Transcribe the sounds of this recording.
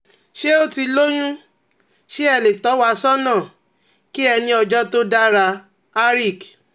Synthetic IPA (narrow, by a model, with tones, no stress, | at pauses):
ʃe˦o˦ti˧lo˦j̃ũ˦ | ʃe˦ɛ˧le˨tɔ˨˦wa˦sɔ˦nã˦˨ | ki˦ɛ˧nĩ˧˦ɔ˧d͡ʒɔ˦to˦da˦ɾa˧ | a˦ɾi˦˨k